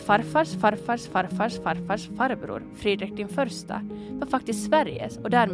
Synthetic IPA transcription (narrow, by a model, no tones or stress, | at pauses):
fɑɾfɑːʂfɑɾfɑːʂfɑɾfɑːʂfɑɾfɑːʂfɑːɾbɾṵːɾfɾiːd̪ɾɪk̚d̪ɪnfœɾst̪ɑ̰ʋɑːfɑk̚t̪ɪst̪sʋæɾjə̰sɔd̪æːɾm